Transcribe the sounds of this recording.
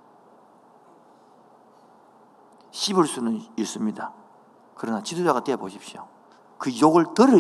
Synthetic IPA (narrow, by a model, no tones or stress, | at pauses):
ɕʰibɯɭs͈unɯnis͈ɯmɲida | kɯɾʌnat͡ɕidod͡ʑaɣat͈eboɕʰip̚ɕio̰ | kɯjoɡɯɭtɯɾɯ